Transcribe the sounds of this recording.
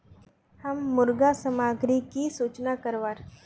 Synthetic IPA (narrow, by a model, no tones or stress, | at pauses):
hamːuɾɡasəmaɡɾikisut͡ʃnakəɾʋaɾ